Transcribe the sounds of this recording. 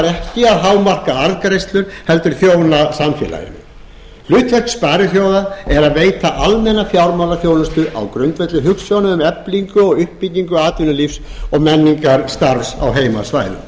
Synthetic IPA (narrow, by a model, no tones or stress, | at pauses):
aɾɛhcɪaðɦawmar̥kaaɾðkɾejst̪lʏɾ̥hɛlt̪ʏɾ̥θjoːwnasamfɛ̰la̰jɪ̰nːɪ | lʏːt̪fœht̪spaːɾʏθjowðaɛɾaðveːjt̪aʔalmɛnːafjawɾmawlaθjoːwnast̪ʏʔa̰wkɾʏnt̪vɛt̪lʏɦʏksfjawnʏʏmɛpliŋkʏɔɣʏhpːiciŋkʏaːt̪vɪnʏlifsɔɣmɛnːiŋkaɾst̪aɾsa̰wɦeːjma̰svaːjðʏ̰